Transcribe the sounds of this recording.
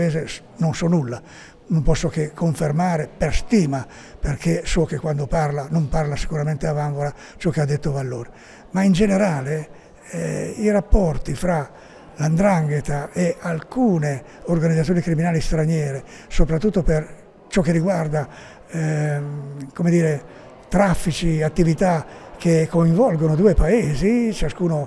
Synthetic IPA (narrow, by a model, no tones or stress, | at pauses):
eːze | nonsɔnulːa | nompɔsːokekʰːoɱfermaːɾeperst̪iːma | perkʰesɔkekːwand̪oparlanomparlasi̥kuɾament̪eavaɱvoɾa | t͡ʃɔkead̪ːet̪ːovalːoːɾe | maind͡ʒeneɾaːle | iɾapːɔrt̪ifɾa | land̪ɾaŋɡet̪aʔealkuːne | orɡanid̪zat̪sjonikɾiminaːlist̪ɾaɲjɛːɾe | sopɾat̪ːut̪ːoper | t͡ʃɔkːerːiɡward̪a | komed̪iːɾe | t̪ɾafːit͡ʃiat̪ːivit̪akekːoiɱvɔlɡonod̪uːepaeːzit͡ʃaskuːno